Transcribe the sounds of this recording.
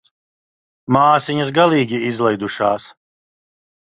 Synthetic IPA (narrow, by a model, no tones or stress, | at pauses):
maːsiɲɐs̬ɡalˠiːɡʲiizlˠɛjd̪uʃaːs